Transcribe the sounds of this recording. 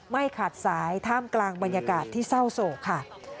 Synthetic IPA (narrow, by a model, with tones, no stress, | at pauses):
ma˥˩jkʰa˨˩t̪̚saː˩˦jt̪ʰaː˥˩mklaː˧ŋba˧njaː˧kaː˨˩t̪ʰːiː˥˩sa˥˩wsoː˨˩kʰːa˥˩